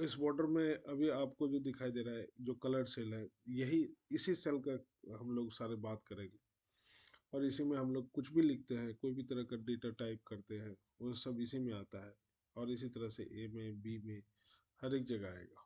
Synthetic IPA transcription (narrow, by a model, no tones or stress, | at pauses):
ɪsbɔːɾɖəɾmẽɐbʱiaːpkod͡ʒod̪ɪkʰaːid̪eːɾaɦɛd͡ʒoːkɐləɾɖseːlɦɛjɐɦiɪsisɛːlka | ɦɐmloːɡsaːɾebaːt̪kɐɾẽːɡeː | ɔːɾɪsimẽɦɐmloːɡ̚kʊt͡ʃʰbʱilɪk̚ʰt̪eɦɛ̃koːibʱit̪ɐɾəkaɖeːʈaʈaːɪp̚kɐɾt̪eɦɛ̃ | ʋoːsɐbɪsimẽaːt̪aɦɛ | ɔːɾɪsit̪ɐɾəɦsḛʔeːmẽbimẽ | hɐɾeːk̚d͡ʒɐɡaa̰ːḛːɡaː